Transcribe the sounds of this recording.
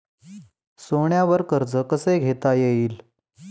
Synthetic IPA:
soɳjaʋəɾkəɾd͡zəkəseɡʱet̪ajeiːl

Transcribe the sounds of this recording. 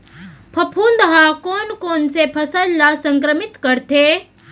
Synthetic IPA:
pʰɐpʰuːnd̪ɦãkoːnkoːnsepʰɐsəlːasɐ̃ŋkɾəmɪt̪kəɾt̪ʰeː

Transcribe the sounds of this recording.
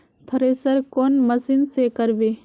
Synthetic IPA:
t̪ʰɐɾesəɾkoːnməsɪnsekəɾbeː

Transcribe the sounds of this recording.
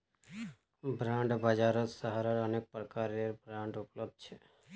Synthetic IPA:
bɾãɳɖbad͡ʒaɾot̪səɦaɾəɾənek̚pɾəkaɾeɾbɾãɳɖʊpləb̚d̪̚t͡ʃʰe

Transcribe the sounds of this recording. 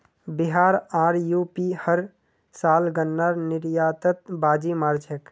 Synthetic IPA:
biɦaːɾaːɾjuːpihəɾ | saːlɡənːaɾnɪɾjaːt̪ət̪̚baːd͡ʒimaːɾd͡ʒʰək

